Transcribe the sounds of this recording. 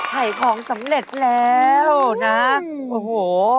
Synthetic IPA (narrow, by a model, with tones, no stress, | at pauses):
kʰa˨˩jkʰɔː˨˩˦ŋsa˩˦mɾe˨˩t̪̚lɛː˦˥wna˦˥ | ʔo˨˩hoː˨˩